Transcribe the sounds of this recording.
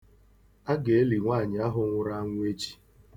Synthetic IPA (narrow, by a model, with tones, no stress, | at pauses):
a˦ɡe˨e˦li˨ŋʷaː˦˨ɲɪ˨a˦ɦʊ˨ŋʷʊ˨ɾa˦a˦ŋʷ˦e˦t͡ʃi̥˨